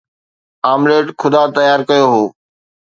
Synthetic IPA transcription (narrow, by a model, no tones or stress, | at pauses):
aːmleːʈkʰʊd̪at̪ɐjaːɾkɐjoɦoː